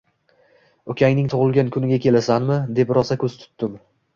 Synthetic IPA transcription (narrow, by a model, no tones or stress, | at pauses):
okʲʰaŋnɪŋt̪ʰʊʁɨlˠɡʲankʰʲʊnɪɡʲakʲe̞lasanmɪd̪e̞pɾɒsakʲʰɵz̥t̪ʰʊ̥t̪ːɪm